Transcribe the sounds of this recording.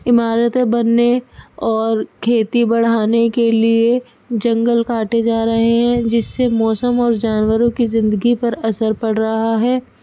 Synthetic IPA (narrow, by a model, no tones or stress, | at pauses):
ɪmaːɾət̪ebɐnːeɔːɾkʰeːt̪ibɐɽ̤aːnekelie | d͡ʒɐ̃ŋɡəlkaːʈed͡ʒaːɾɐɦeɦɛ̃d͡ʒɪsːemɔːsəmɔːɾd͡ʒaːnwəɾõkizɪ̃nd̪əɡipɐɾɐsəɾpɐɽɾɐɦaɦɛː